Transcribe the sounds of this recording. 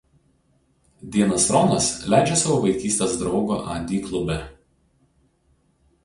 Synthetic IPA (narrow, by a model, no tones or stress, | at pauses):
d̪ʲiɛnɐsɾɔnɐslʲæˑɪd͡ʒʲesɐʋoːʋɐɪkʲiːsʲt̪ʲesd̪ɾɒʊɡo̰ːʔɑ̰d̪ʲiːklˠʊbʲɛ